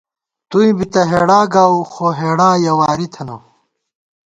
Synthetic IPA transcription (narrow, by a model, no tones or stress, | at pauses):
t̪uĩbit̪ɐɦeːɽaːɡaːuxoɦeːɽaːjɐwaːɾit̪ʰɐnɐ